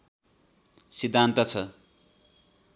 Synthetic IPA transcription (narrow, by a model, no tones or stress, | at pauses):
sid̪ʱːant̪ʌt͡sʰʌ